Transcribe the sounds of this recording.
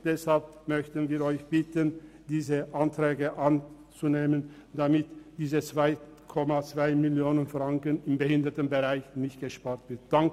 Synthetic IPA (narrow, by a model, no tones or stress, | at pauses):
d̥ɛshalp̚mœçtən̩viːɐɔʏçb̥ɪtən | diːzəʔantʁ̥ɛːɡəʔan | t͡suneːmən | damɪtd̥iːzət͡sv̥aɪkʰɔmat͡sv̥aɪmɪljoːnənfʁ̥aŋkənɪmbəhɪndətənbəʁaɪçnɪçtɡ̥əʃpaːɐtv̥ɪt̚d̥aŋk